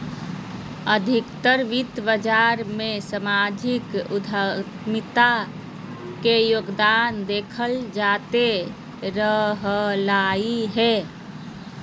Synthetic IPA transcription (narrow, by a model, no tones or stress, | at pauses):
əd̪ʱɪkt̪əɾʋit̪bəd͡ʒaːɾmẽsəmaːd͡ʒʱɪkʊd̪ʱətmɪt̪a | kejoːɡd̪aːnd̪eːkʰəld͡ʒaːt̪e | ɾəɦlaːiɦɛː